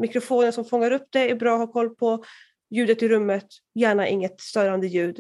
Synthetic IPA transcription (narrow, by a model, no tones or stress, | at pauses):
mɪkɾʊfoːnənsɔmfɔŋːaɾɵpːd̪̥ɛæɾbɾɑːɦaɾkʰɔlːpʰɔ | jʉ̟ːd̪ət̪ɪɾɵmːət̪ | jæːɳaʔɪ̰ŋːət̪st̪œːɾand̪əjʉ̟ːd̪